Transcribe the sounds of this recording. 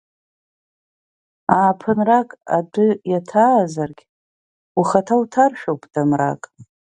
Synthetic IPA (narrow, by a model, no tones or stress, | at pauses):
aːpʰɨnrakʼa̰dɨjatʰaːzarɡʲ | uχatʰawtʰarʃᶣawpʼdʼamra̰kʼ